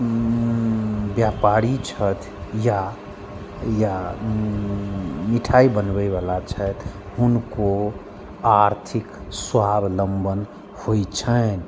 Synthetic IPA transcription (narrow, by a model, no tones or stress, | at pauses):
bjapaɾit͡ʃʰət̪ʰ | ja | ja | miʈʰaibənbɛʋalat͡ʃʰət̪ɦunko | aɾt̪ʰikswabləmbən | hoit͡ʃʰən